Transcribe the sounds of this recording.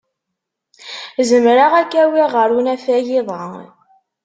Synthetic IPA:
zəmɾaʁækːæwiʁəɾunæfæjɪðˤə

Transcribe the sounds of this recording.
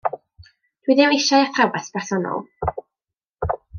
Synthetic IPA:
d̥wiðɛwɪʃajaθʰavaspʰɛr̥sɔnɔ̰lˠ

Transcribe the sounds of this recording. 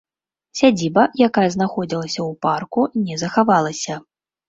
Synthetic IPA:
sʲad͡zʲibɐjakajɐznaxɔd͡zʲilˠɐsʲɐwparkunʲɛzɐxavalˠɐsʲɐ

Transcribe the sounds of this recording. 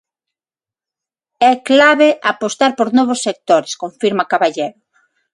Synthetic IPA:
ɛklaβeʔapost̪aɾpoɾnɔβosːek̚t̪oɾeskoɱfiɾmakaβaʎeɾʊ

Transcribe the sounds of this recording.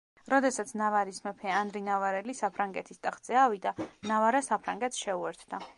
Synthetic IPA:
ɾɔd̪ɛsat̪sʰnavaɾismɛpʰɛand̪ɾinavaɾɛlisapʰɾaŋɡɛt̪ʰist̪ʼaχd̪zʼɛavid̪anavaɾasapʰɾaŋɡɛt̪sʃɛuɛɾt̪ʰd̪a

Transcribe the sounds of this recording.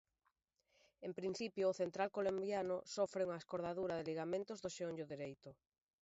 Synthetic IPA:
empɾin̟θipjoːθent̪ɾalkolombjanʊsofɾɪuŋɐeskoɾðaðuɾɐðeliɣamẽnt̪ʊzðoʃeonɟoðiɾejt̪ʊ

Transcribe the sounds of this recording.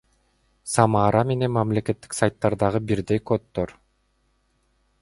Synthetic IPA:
sɑmɑːɾɑme̞ne̞nmɑmle̞kʲe̞t̪ːi̥ksajt̪ːɑɾd̪ɑʁɯbiɾd̪ejkot̪ːoɾ

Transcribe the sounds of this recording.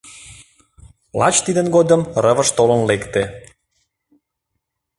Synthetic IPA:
lɑ̰t͡ɕt̪id̪ənɡod̪əmrəβəʃt̪olənlekt̪e

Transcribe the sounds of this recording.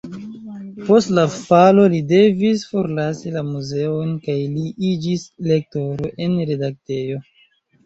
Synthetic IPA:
po̞stlafalo̞lide̞visfo̞ɾlasilamuze̞onkajliid͡ʒisle̞k̚to̞ɾoʔe̞nɾe̞dak̚te̞jo̞

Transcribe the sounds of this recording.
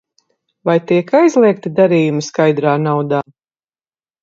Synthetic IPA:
vajt̪iɛkajzlˠiɛk̚t̪id̪aɾiːjumiskajd̪ɾaːnawd̪aː

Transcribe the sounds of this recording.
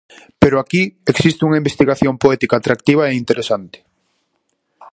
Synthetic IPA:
peɾoakieksist̪euŋaimbest̪iɣaθjompoɛt̪ikaːt̪ɾak̚t̪iβ̞ɐeint̪eɾesant̪ɪ̥

